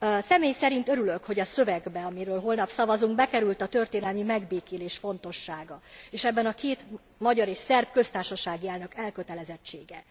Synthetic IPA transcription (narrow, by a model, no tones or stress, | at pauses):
sɛmeːjsɛɾint̪ø̞ɾylø̞kho̞ɟɒsø̞vɛɡbɛɒmiɾøːlɦo̞lnɒpsɒvɒzuŋɡ̚bɛkɛɾylt̪ɒt̪ørt̪eːnɛlmimɛɡbeːkeːleːʃfo̞nt̪o̞ʃːaːɡɒeːʃɛbːɛnɒkeːt̪ | mɒɟɒɾeːʃsɛrbkø̞st̪aːrʃɒʃaːɡiɛlnø̞kɛlkø̞t̪ɛlɛzɛt͡ʃːeːɡɛ